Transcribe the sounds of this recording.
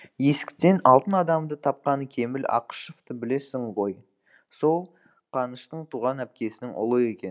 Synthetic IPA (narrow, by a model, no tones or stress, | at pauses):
je̞sɪ̥kʲɪ̥t̪e̞nɑlˠt̪ənɑd̪ɑmd̪ət̪ʰɑp̚qɑnəkʲʰe̞mɪlɑ̰qə̥ʃoft̪əbɪle̞sɪŋʁo̞j | so̞lˠ | qʰɑnəʃt̪əɴt̪ʰuʁɑnæp̚kʲe̞sɪnɪŋʔʊ̰lˠəe̞kʲe̞n